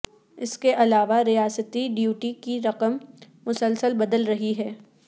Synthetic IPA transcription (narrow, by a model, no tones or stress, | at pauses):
ɪskeʔɐlaːʋaɾijaːsət̪iɖijuːʈikiɾɐqəmː | ʊsəlsəlbɐd̪əlɾɐɦiɦɛː